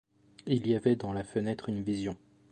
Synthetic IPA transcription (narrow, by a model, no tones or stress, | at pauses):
iliavɛd̪ɑ̃lafənɛt̪χynvizjɔ̃